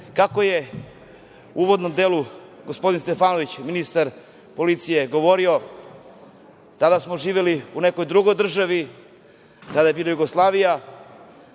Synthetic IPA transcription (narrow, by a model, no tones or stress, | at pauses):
kakoje | uːʋod̪nomd̪e̞luɡospo̞d̪inst̪efaːnoʋit͡ɕminist̪aɾ | po̞lit̪sije̞ɡo̞ʋo̞ɾio̞ | t̪ad̪asmoʒiːʋeliune̞ko̞jd̪ɾuɡo̞jd̪r̩ʒaʋi | t̪ad̪aje̞biːlajuɡoslˠaːʋija